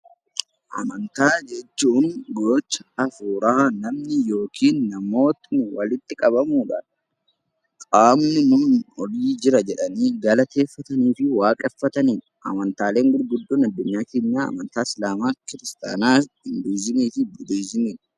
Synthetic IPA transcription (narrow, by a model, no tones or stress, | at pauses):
ʔɐ̰mɐnt̪aːd͡ʒɛt͡ʃːuːnɡoːt͡ʃːɐɐfuːɾɐanɐmnɪjo̞ːkʰiːnːɐmo̞ːt̪ɪnwɐlɪt̪ːɪkʼɐbɐmuːᶑa̰ | kʼaːmnɪnʊnɔliːd͡ʒɪɾɐd͡ʒɛᶑɐniːɡɐlɐt̪e̞ːfːɐt̪ɐniːfɪwaːkʼɛfːɐt̪ɐniːn | ʔɐ̰mɐnt̪aːle̞ːŋɡʊɾɡʊd̪ːoːnɐd̪ːʊɲːaːkeːɲːaːɐ̰mɐnt̪aːɪslaːmaːkɪɾɪst̪a̰ːnaː | ɪnd̪iːzɪniːfɪbʊd̪izɪniːᶑ